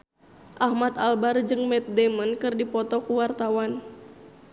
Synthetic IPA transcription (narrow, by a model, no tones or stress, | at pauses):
ʔahmat̪albard͡ʒɨŋmɛt̪̚dɛmankɨrdipɔt̪ɔkuwart̪awan